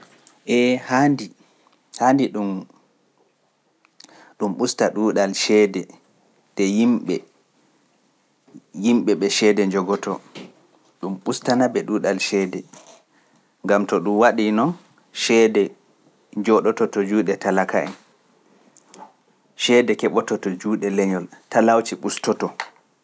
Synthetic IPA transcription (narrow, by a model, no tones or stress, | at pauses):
ʔɛhandi | handiɗum | ɗumɓustaɗuɗalʃɛdɛ | dɛjimɓɛ | jimɓɛɓɛʃɛdɛɲd͡ʒɔɡɔtʰɔ | ɗumɓustanabɛɗuːɗalʃɛːdɛ | ŋɡamtɔɗumwaɗinɔn | ʃɛdɛ | d͡ʒɔɗɔtɔtɔd͡ʒuːɗɛtalakaʔɛn | ʃɛːdɛkɛɓɔtɔtɔd͡ʒuːɗɛlɛɲɔltalawt͡ʃiɓustɔtɔ